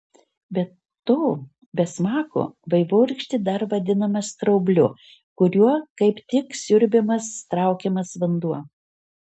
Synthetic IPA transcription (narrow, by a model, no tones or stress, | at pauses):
bʲɛt̪ː | oː | bʲɛsmɑːko̰ʋɐɪʋoːɾʲkʃʲt̪ʲɪd̪ɐɾʋɐd̪ʲɪnɐmɐst̪ɾɐʊbʲlʲʊ | kʊɾʲuɔkɐɪpt̪ʲɪksʲʊɾʲbʲɪmɐst̪ɾɐˑʊkʲɛmɐsʋɐnd̪uɔ